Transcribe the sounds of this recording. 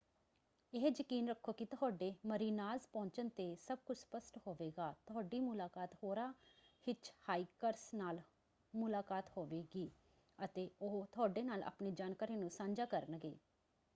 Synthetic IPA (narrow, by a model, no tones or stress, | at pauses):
ɪɦd͡ʒəkiːnɾəkʰːoːkit̪ʊɦaːɖeːməɾiːnaːzpɔ̃ːɲt͡ʃənt̪eːsəb̚kʊt͡ʃʰspəsʈhoːʋeːɡaːt̪ʊɦaːɖiːmʊlaːkaːt̪hoːɾaːhɪt͡ʃhaːiːkəɾsnaːl | mʊlaːkaːt̪hoːʋeːɡiː | ət̪eːoːt̪ʊaːɖeːnaːlʔa̰ːpneːd͡ʒaːnkaːɾiːnũːsãːɲd͡ʒaːkəɾənɡḛː